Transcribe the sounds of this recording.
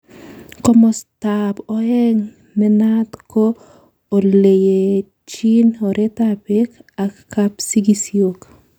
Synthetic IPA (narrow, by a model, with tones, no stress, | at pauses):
kɔ˦mɔ˨stapɔɛ˦ŋ | mɛ˦natkoː˦˨ | le˨je˨ | t͡ʃi˦nɔ˨ɾʔetabɪkakːapsi˦ɡisjok